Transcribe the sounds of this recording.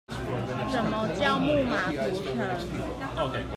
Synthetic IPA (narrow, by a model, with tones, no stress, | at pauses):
ʈ͡ʂə˨˥mə˦t͡ɕjɑ˥˧ʊmu˥˩ma˨˩t̪u˨˧˥ʈ͡ʂʰə˨˥˦